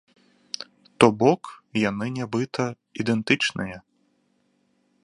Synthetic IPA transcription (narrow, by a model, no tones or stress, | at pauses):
t̪ɔbɔkjanɨnʲabɨt̪ʰɐ | id̪ɛnt̪ɨt͡ʂnɨjɛ